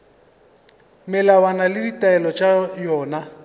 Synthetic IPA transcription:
mɛlawanalɪditʼaɛlɔt͡ʃʼajɔːna

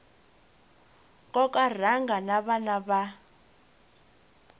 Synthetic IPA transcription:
kʼɔkʼar̤aŋɡanaβanaβa

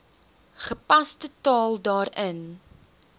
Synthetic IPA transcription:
χəpɐstətɑːlˠdɑːɾən

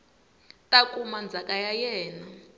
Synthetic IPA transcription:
tʼakʼumand͡zʱakʼajajɛːna

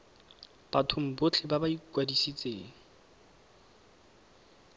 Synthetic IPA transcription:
b̥atʰʊm̩bʊt͡ɬʰɪbabaikwadisit͡sʼeːŋ̩

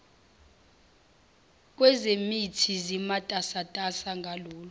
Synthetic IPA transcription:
k̬ʼwɛzemitʰizimatʼasatʼasaŋɡʱaloːlɔ

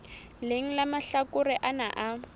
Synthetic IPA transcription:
lɪŋ̩lamaɬakʊrɪʔanaʔa

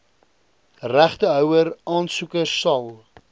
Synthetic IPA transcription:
ræχtəɦœwəɾɑːnsukəsɐlˠ

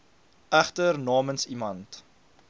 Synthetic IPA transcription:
æχtərnɑːmənsimɐnt

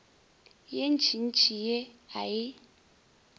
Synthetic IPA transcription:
jen̩t͡ʃʰin̩t͡ʃʰijeajɪ

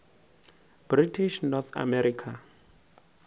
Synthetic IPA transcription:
b̥ritʰiʃnɔt̪ʰa̰mɛɾiːkʰa

